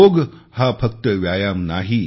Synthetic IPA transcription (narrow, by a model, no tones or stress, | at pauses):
oɡhafək̚t̪əʋjajamnaɦi